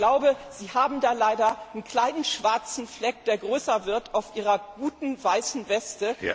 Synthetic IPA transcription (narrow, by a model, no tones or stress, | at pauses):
laʊbəz̥iːhaːbm̩daːlaɪdɐənkl̥aɪnənʃv̥aɐt͡sn̩flɛk̚d̥eːɐɡʁøːsɐvɪɐtʰaʊfʔiːʁ̞ɐɡ̥uːtn̩vaɪsn̩vɛstə